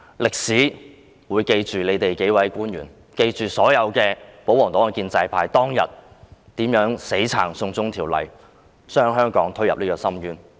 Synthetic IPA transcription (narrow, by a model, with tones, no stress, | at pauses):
lɪ˨k̚siː˨˥ | wuː˨˧jke˧jt͡ʃyː˨le˨˧jt̪e˨jke˨˥jwɐ˨˥jkuː˥nɥyː˨˩n | ke˧jt͡ʃyː˨sɔː˨˥jɐ˨˧wkɛː˧po˨˥wɔː˨˩ŋt̪ɔː˨˥ŋ˨˩kiː˧nt͡sɐ˧jpʰaː˧jt̪ɔː˥ŋjɐ̰˨t̪̚t̪iː˨˥mjœː˨˥ŋse˨˥jt͡sʰa̰ː˨˩ŋsʊ˧ŋt͡sʊ˥ŋt̪ʰiː˨˩wlɐ̰˨˩j | t͡ʃœː˥ŋɦœː˥ŋkɔː˨˥ŋt̪ʰɵ˥jɐ˨p̚liː˥kɔː˧sɐ˥mjyː˨˥n